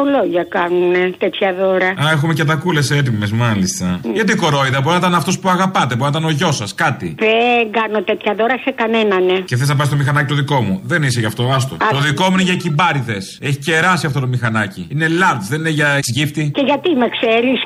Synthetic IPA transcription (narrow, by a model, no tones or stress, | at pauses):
oloʝɐkɐnunet̪et̪çɐðoɾɐɐexume̞ceɐt̪ɐkule̞set̪̬imezmɐlist̪ɐʝɐt̪̬iko̞ɾo̞iðɐbo̞ɾinɐt̪ɐnɐft̪o̞spuɐɣɐpɐt̪ebo̞ɾinɐt̪ɐno̞ʝo̞sɐskɐt̪iðeŋɡɐnot̪et̪çɐðoɾɐsekɐnenɐneeθeiznɐpɐst̪mixɐnɐcit̪oðiko̞muðe̞niseʝɐft̪o̞ɐs̬t̪o̰t̪oðiko̞muineʝɐcibɐɾiθe̞seçi̥ceɾɐsiɐft̪o̞t̪o̞mixɐnɐcḭine̞lɐɾt̪ðenineʝɐesʝift̪iceʝɐt̪imekseɾis